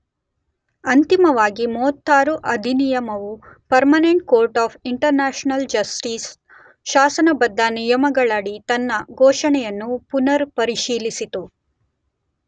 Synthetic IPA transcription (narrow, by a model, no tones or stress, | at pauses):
ɐnt̪imɐʋaːɡimɔːt̪ʰːaːɾuʔɐd̪ʱinijɐmɐʋupɐɾmɐneɳʈ̚koːɾʈaːpʰiɳʈɐɾnaːʃnɐld͡ʒɐsʈiːs | ʃaːsɐnɐbɐd̪ʱːɐnijɐmɐɡɐɭɐɽit̪ɐnːɐɡʱɔːʂɐɳɛjɐnːupunɐɾpɐɾiʃiːlisit̪u